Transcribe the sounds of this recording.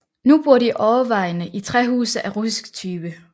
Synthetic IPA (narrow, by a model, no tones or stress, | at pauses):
nub̥uɐɾ̥iʔɒːɐʋɑ̈ɪnəʔit͡sʰʁɛɦṵːsð̩ˠʔæʁusisɡ̥t͡sʰyːb̥ə